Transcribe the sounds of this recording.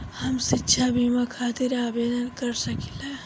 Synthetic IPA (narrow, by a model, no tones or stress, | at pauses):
hɐmsɪtːʃʰabʱimakʰaːt̪ɪɾaːbeːd̪ənkəɾsɐkile